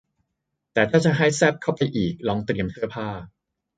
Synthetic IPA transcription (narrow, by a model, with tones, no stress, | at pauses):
t̪ɛː˨˩t̪ʰaː˥˩t͡ɕa˨˩ɦa˥˩jsɛ˥˩p̚kʰa˥˩wpa˧jʔiː˨˩k̚lɔː˧ŋt̪ɾi˧əmt̪ʰɯ˥˩ɐpʰaː˥˩